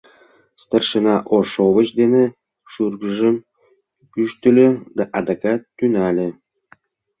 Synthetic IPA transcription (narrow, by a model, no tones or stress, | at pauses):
st̪ɑrʃə̆nɑʔoʃovə̆t͡ɕd̪enĕ | ʃurɡə̆ʒə̆m | kyʃt̪y̆lʲø̆d̪ɑʔɑd̪ɑkɑt̪ːynɑlʲĕ